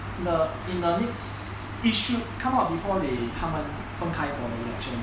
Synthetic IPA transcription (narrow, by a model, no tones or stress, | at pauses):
ndə | ĩndənɛks | iʃukʰãmap̚bifɔdehʰãmə̃n | fə̃ŋkʰãjfɔdəilɛk̚ʃə̃n